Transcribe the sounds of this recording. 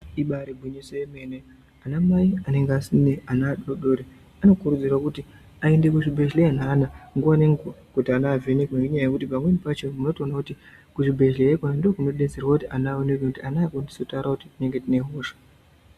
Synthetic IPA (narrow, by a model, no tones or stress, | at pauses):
iɓaɾebʱwiɲeseeme̞ne | anamaiane̞ŋɡasineanaːɗoɗoːɾe | ano̞kurud͡zirwakuti | ae̞nde̞k̬uʐibʱe̞ɮleananaŋɡuaneŋɡkutianaːvʱenekuneʐiɲaajekutipamwenipat͡ʃemuno̞tonakuti | kuʐibʱe̞ekonandokuno̞ɗe̞d͡zerwakutiʔanaonekekutianakondisotaɾakuti̥tine̞ŋɡe̞tine̞ɦoːʃḁ